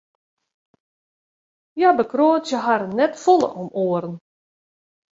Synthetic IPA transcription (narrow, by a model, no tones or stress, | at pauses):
jabəkroːtjəɦaɾənːɛtfɔlˠə̰ʔɔmoːəɾən